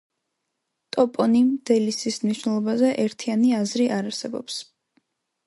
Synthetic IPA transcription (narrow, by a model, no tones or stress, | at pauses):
t̪ʼɔpʼɔnimd̪̥ɛlisismniʃwnɛlˠɔbazɛʔɛɾt̪ʰianiazɾiʔaɾaɾsɛbɔ̰ps